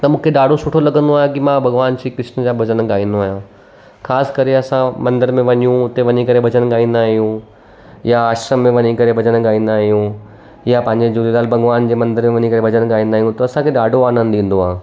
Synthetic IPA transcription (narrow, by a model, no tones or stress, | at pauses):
t̪ɐmũːkʰeɗaːɖʱosʊʈʰolɐɡə̃nd̪oaːɦjekimãbʱɐɣʋaːnʃiːkɾɪʃnəd͡ʑaːbʱɐd͡ʑənɠaːĩːn̆d̪oaːɦjã | xaːskɐɾeɐsãmɐ̃nd̪əɾmẽʋɐɲijũʊt̪eʋɐɲikɐɾebʱɐd͡ʑənɠaːĩːnd̪aːɦijũ | jaaːʃɾəmːẽʋɐɲikɐɾebʱɐd͡ʑənɠaːĩːn̆d̪aːɦijũ | japɐ̃ɦɪ̃ɲd͡ʑed͡ʑulelaːlbʱɐɣʋaːnd͡ʑeːmɐ̃nd̪əɾmẽʋɐɲikɐɾebʱɐd͡ʑənɠaːĩnd̪aːɦijũt̪ɐɐsãkʰeɗaːɖʱoaːnə̃n̆d̪ĩːn̆d̪oɦaː